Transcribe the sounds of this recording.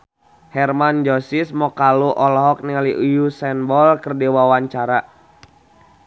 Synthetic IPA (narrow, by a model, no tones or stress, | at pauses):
hɛrmand͡ʒɔsismɔkaluʔɔlɔɦɔk̚niŋaliʔujusɛnbɔlkərdiwawaɲt͡ʃaɾa